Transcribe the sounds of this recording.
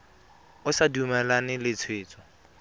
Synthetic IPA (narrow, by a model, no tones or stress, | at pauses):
ʊsadumɛlanɪlɪt͡sʰweːt͡sʼɔ̥